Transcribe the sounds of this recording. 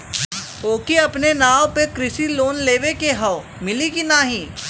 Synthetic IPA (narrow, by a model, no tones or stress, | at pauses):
oːkiɐpnenaːopekɾɪsiloːnleːʋekeɦɐ | mɪlikinaɦĩː